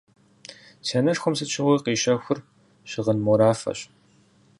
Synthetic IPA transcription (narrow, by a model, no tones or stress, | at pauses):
seːnɐʂxʷɔmsɨt͡ʃʰɪʁʷiqiːʃɐxʷʊr | ɕɪʁənmɔɾaːfɐ̰ɕ